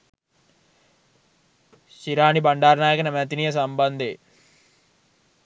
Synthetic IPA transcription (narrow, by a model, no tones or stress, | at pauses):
ɕiɾaːnibaɳɖaːɾnaːjəkɐnəmæt̪inijəs̬amband̪e